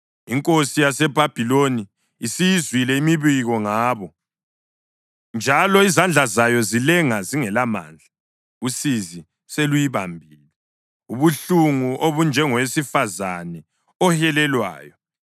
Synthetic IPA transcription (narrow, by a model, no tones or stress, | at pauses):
iŋkʼosijasɛbʱab̥ʱiloniː | sijizwilɛimiβiɣɔŋaːβɔ | nd͡ʒʱalɔizand͡ɮʱazajɔzilɛŋaziŋɛlama̰ːnd͡ɮʱa | usizi | selujiβambʱiːlɛ | uβuɬuŋuʔoβund͡ʒʱɛŋɔwesifazanɛ | ɔhɛlɛlwa̰ːjɔ